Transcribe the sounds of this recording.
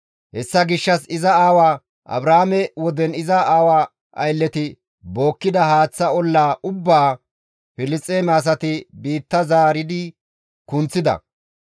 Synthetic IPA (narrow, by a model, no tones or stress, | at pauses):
hɛsːɐɡɪʃːɐsɪzɐaːwaː | ʔɐ̰bɾamɛwɔd̪ɛnɪzɐaːwa | ʔɐjlːɛt̪ɪ | bo̞ːkːɪd̪ɐhaːt͡sːɐɔlːaːʔʊbːaː | fɪlɪt͡sʼːeːmɛɐs̬ɐt̪ɪbiːt̪ːɐzaːɾɪd̪ɪ | kʊnt͡sːɪd̪ɐ̰